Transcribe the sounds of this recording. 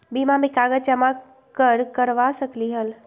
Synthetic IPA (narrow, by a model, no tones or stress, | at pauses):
bimamẽkaːɡət͡ʃəma | kəɾkəɾʋasəkliɦəl